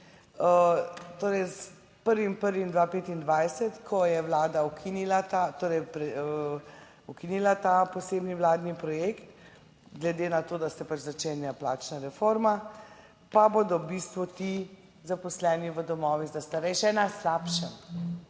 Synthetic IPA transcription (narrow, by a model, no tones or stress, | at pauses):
ət̪oːɾɛjs | pəɾʋimpəɾʋimd̪ʋapeːt̪ind̪ʋajsɛt̪kʰɔjɛwlaːd̪aukʰinilat̪at̪oːɾɛjpɾɛ | ukinilat̪apɔseːbniʋlaːd̪nipɾɔjekt̪ | ɡlɛd̪eːnat̪oːd̪asɛpat͡ʃzat͡ʃenjaplaːt͡ʃnaɾɛfoɾma | paboːd̪ɔbist̪ʋɔt̪i | zapɔslɛːniʋəd̪ɔmɔːʋiɣd̪ast̪aɾɛʃɛnaslapʃɛm